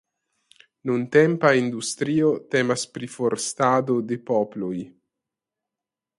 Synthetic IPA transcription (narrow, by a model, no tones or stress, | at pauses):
nunt̪ɛmpaind̪ust̪ɾiot̪ɛmaspɾifoɾst̪ad̪od̪epɔploj